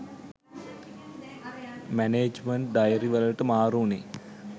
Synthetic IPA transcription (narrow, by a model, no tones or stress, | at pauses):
mæneːd͡ʒməɳʈ̚dajəɾiʋələʈəmaːɾuːne